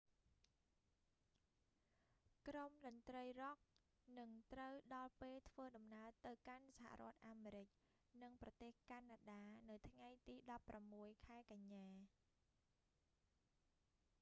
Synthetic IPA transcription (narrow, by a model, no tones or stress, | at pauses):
kromɗənt̪rəjrɔk̚ | nɨŋt̪rəwɗɑlpeːlt̪ʰʋəːɗɑmnaət̪ɨwkansaɦa̰rŏət̪̚ʔaːmeːɾɨc̚ | nɨŋprɑt̪eːhkanaːɗaːnɨwt̪ʰŋajt̪iːɗɑpːramːuəjkʰaɛkaɲːaː